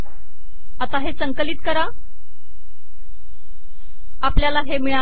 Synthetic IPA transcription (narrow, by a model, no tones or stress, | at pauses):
at̪aɦesəŋkəliːt̪̚kəɾa | apljalaɦemiɭa